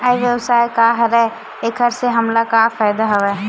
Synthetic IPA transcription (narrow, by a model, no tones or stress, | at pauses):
ajʋjəbsajkaɦɾɛ | ekʰəɾseɦəmlakafʰajd̪aɦəʋɛ